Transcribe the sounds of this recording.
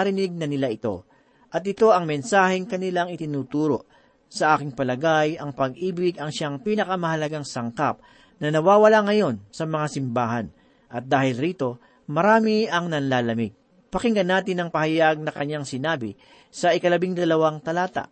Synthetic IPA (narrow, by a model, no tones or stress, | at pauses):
ɐɾɪnɪɡ̚nɐnɪlaʔɪt̪o̞̰ | ʔɐt̪̬̚ʔɪt̪o̞ɐŋmɛnsaːhɛŋkɐnɪlaŋɪt̪ɪnuːt̪uːɾo̞ʔ | sɐʔaːkɪŋpɐlɐɡajɐŋpɐɡʔiːbɪɡɐŋʃaŋpiːnɐkɐmɐhɐlɐɡaŋsɐŋkap̚ | nɐnɐwaːwɐlaŋɐjo̞nsɐmɐŋasɪmbaːɦɐn | ʔɐt̪̚d̪aːhɪlɾiːt̪o̞ | mɐɾaːmɪɐŋnɐnlaːlɐmɪɡ̚ | pɐkɪŋɡɐnːaːt̪ɪnɐŋpɐhɐjaɡ̚nɐkɐɲaŋsɪnaːbɪ | sɐʔɪkɐlɐbiŋd̪ɐlɐwaŋt̪ɐlaːt̪a̰ʔ